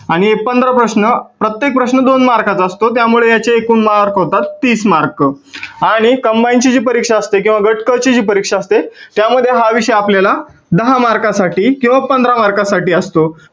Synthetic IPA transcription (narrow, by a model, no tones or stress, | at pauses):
aɽ̃iek̚pənd̪ɾapɾəɕnəpɾət̪jek̚pɾəɕnəd̪onmaɾkat͡səəst̪ot̪jamuɭejat͡ɕeːkuːnmaɾkɦot̪at̪ːiːsmaɾkə | aɽ̃ikəmbajnt͡ɕid͡ʑiːpəɾikʂaəst̪ek̬ĩw̃ʋaɡəʈkət͡ɕid͡ʑiːpəɾikʂaəst̪et̪jaməd̪ʱːjeɦaʋiʂəjapljala | d̪əɦamaɾkasaʈiːkĩw̃ʋapənd̪ɾamaɾkasaʈiːəst̪o